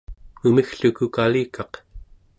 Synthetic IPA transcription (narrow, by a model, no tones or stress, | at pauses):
umixɬukukaliːkʰɑq